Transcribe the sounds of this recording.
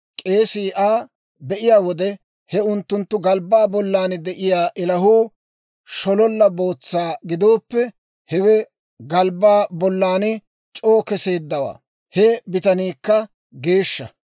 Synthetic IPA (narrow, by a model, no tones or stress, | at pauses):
kʼeːsiːʔaː | bɛʔɪjaːwɔd̪ɛ | hɛʊnt̪ːʊnt̪ːʊɡɐlbaːbɔlːaːnɪd̪ɛʔɪjaːʔɛlɐɦuː | ʃɔlɔlːɐbo̞ːt͡sːaːɡɪd̪o̞ːpːɛ | hɛwɛ | ɡɐlbaːbɔlːaːnɪ | t͡ʃʼo̞ːkɛseːd̪ːɐwa̰ː | hɛbɪt̪ɐniːkːɐ | ɡe̞ːʃːɐ